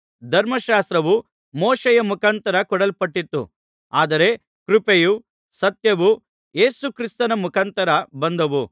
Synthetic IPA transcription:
d̪ʱɐɾmɐʃaːst̪ɾɐʋu | moːʃejɐmukʰant̪ɐɾɐkɔɽɐlpɐʈːit̪ːṵ | aːd̪ɐɾe̞ | kɾupeju | sɐt̪jɐʋu | je̞ːsukɾist̪ɐnɐmukʰɐnt̪ɐɾɐbɐnd̪ɐʋu

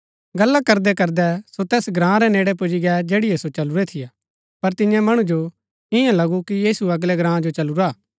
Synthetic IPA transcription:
ɡɐlːakɐɾd̪ɛkɐɾd̪ɛsot̪ɛːsɡɾãːɾɛneːɽɛp̬ʊd͡ʒiɡɛd͡ʒeːɽɪjɛsot͡ʃɐluɾɛt̪ʰɪjaː | pɐɾt̪ɪ̃jãmɐɽ̃ud͡ʒo | ɪjãlɐɡukijiːsuɐɡlɛɡɾãːd͡ʒot͡ʃɐluɾaː

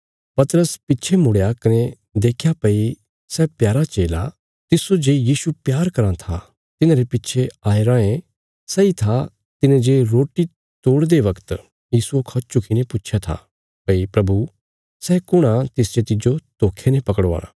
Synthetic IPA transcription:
pɐt̪ɾəspɪtːʃʰemʊɽjakɐne | d̪eːkʰjapɐi | sɛːpjaːɾat͡ʃeːla̰ | t̪ɪsod͡ʒeːjiːsupjaːɾkɐɾãt̪ʰa̰ | t̪ɪnãɾepɪtːt͡ʃʰeaːeɾãːẽ | sɛit̪ʰa | t̪ɪnẽd͡ʒeːɾoːʈi | t̪oːɽd̪eʋɐkt̪ | jiːsuokʰɐt͡ʃt͡ʃʊkʰinepʊtːʃʰjat̪ʰa̰ | pɐipɾɐbu | sɛːkʊɽ̃ãt̪ɪsd͡ʒet̪ɪd͡ʒot̪oːkʰenẽpɐkəɽʋa̰ːɾa̰ː

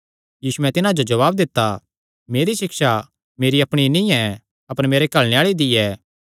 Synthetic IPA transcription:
jiːsuɛ̃t̪ɪnãd͡ʒod͡ʒɐʋaːb̚d̪ɪt̪ːa | meːɾiʃɪkʃa | meːɾiɐpɽ̃inɪ̃jɛ̃ | ɐpəɾmeːɾekɐɭñeaːɭid̪ijɛː

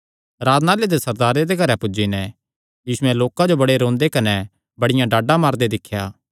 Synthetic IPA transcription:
ɾaːd̪naːled̪esɐɾd̪aːɾed̪eɡʱɐɾɛpʊd͡ʒinɛ | jiːsʊɛloːkãd͡ʒobɐɽeɾõːnd̪ekɐnɛ | bɐɽɪjãɖaːɖãmaːɾd̪ed̪ɪkʰːjaː

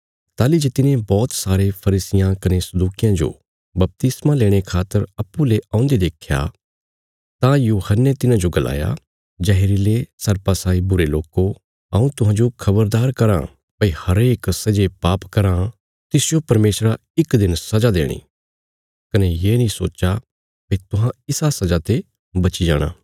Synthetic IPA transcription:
t̪aːlid͡ʒet̪ɪnẽbɔːt̪saːɾepʰɐɾiːsɪjãkɐnesɐd̪uːkɪjãd͡ʒo̰ | bɐp̚t̪ɪsmãleːɽ̃ekʰaːt̪ːəɾɐpːuleʔãːʊ̃nd̪ed̪eːkʰja̰ | t̪ãjuːhənːet̪ɪnãd͡ʒoɡɐlʔa̰ːja̰ | d͡ʒɛɦeːɾilesɐɾpasaːibʊɾeloːko | ɐũt̪ʊɦãːd͡ʒokʰɐbəɾd̪aːɾkɐɾã̰ | pɐihɐɾeːksɐd͡ʒepaːpkɐɾã | t̪ɪsɪjopɐɾmeːsɾa | ɪkd̪ɪnsɐd͡ʒad̪ḛːɽ̃ḭː | kɐnejeːnĩsoːt͡ʃa | peːt̪ʊɦãɪsasɐd͡ʒat̪e | bɐt͡ʃid͡ʒa̰ːɽ̃a̰ː

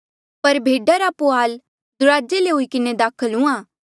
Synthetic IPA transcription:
pɐɾbʱeːɖaɾapʊaːl | d̪ʊɾaːd͡ʒeleɦʊikɪned̪aːkʰəlʊ̃ãː

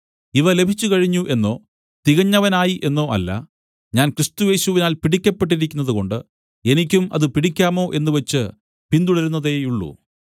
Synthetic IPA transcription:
iʋɐle̞bʱit͡ɕːukɐɻiɲːuʔe̞nːo̞ː | t̪iɣɐɲːɐʋɐnaːjiʔe̞nːo̞ːʔɐ̰lːɐ̰ | ɲaːnkɾist̪uje̞ːɕuʋinaːlpiɽikʲːɐpːe̞ʈ̬ːiɾikʲːunːɐðuko̞ɳɖɨ | e̞nik̬ʲːumɐ̰ðɨpiɽikʲːaːmo̞ːʔe̞nːuʋɐt͡ɕːɨ | pind̪uɽɐɾunːɐðe̞ːjuɭːṵ

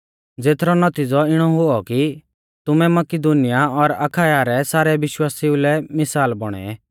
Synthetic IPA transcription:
d͡zeːt̪ʰɾɔnɐt̪id͡zɔɪɽ̃ɔɦʊɔki | t̪ʊmɛmɐkɪd̪unɪjaɔɾakʰaːjaɾɛsaːɾɛʋɪʃwaːsiʊlɛmɪsaːlbɔɽ̃ɛ̰ɛ

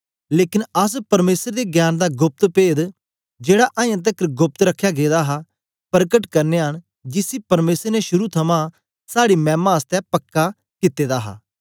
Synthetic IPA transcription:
leːkɪnəs̬pɐɾmeːsəɾd̪eːɡjaːnd̪aːɡʊp̚t̪peːd̪ | d͡ʒeːɽaʔãːjãːt̪̬əkɡʊp̚t̪ɾəkʰːjaːɡeːd̪aːɦa | pəɾkəʈkɐɾneɦən | d͡ʒɪsiːpɐɾmeːsəɾneʃʊɾut̪ʰɐmãː | saːɽiːmɛ̃ːmãːəst̪ɛpəkːaː | kɪt̪ːeːd̪aːɦa̰ː

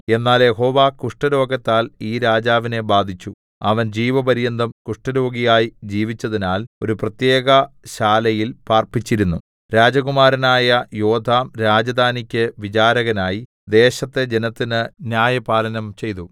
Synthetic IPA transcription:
e̞nːaːlje̞ɦo̞ːʋaːkuʂʈɐɾo̞ːɡɐt̪ːaːliːɾaːd͡ʑaːʋine̞baːd̪ʱit͡ɕːu | ɐ̰ʋɐnd͡ʑiːʋɐbɐɾijɐnd̪ɐmkuʂʈɐɾo̞ːɡijaːjid͡ʑiːʋit͡ɕːɐðinaːlo̞ɾuprɐt̪je̞ːɡɐɕaːlɐjilpaːrpit͡ɕːiɾunːu | ɾaːd͡ʑɐɣumaːɾɐnaːjɐjo̞ːd̪ʱaːmɾaːd͡ʑɐd̪ʱaːnikʲːɨʋit͡ɕaːɾɐɣɐnaːji | d̪e̞ːɕɐt̪ːe̞d͡ʑe̞nɐt̪ːinɨnjaːjɐpaːlɐnɐmt͡ɕe̞jt̪u

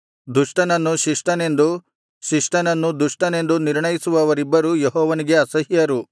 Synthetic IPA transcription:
d̪uʂʈɐnɐnːuʃiʂʈɐne̞nd̪u | ʃiʂʈɐnɐnːud̪uʂʈɐne̞nd̪uniɾɳɐjisuʋɐːʋɐɾibːɐɾujeɦɔːʋɐniɡe̞ɐsɐɦjɐɾu

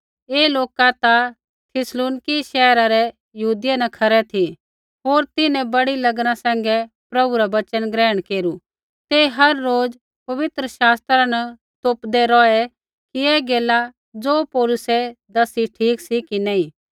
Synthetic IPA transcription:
eːloːkat̪a | t̪ʰɪsluːnɪkiʃɛːɾaɾɛ | jɐɦuːd̪ɪjanɐkʰɐɾɛt̪ʰi | ɦoːɾt̪ɪnɛ̃bɐɽilɐɡnasɛ̃ːŋ̆ɡɛ | pɾɐbuɾabɐt͡ʃənɡɾɛːəɽ̃keːɾu | t̪eɦɐɾːoːd͡z | pɐʋɪt̪ɾəʃaːst̪ɾanɛ | t̪oːpd̪ɛɾɔɛ | kiɛːɡeːla | d͡zoːpɔːlʊsɛd̪ɐsiʈʰiːksikinɛĩ

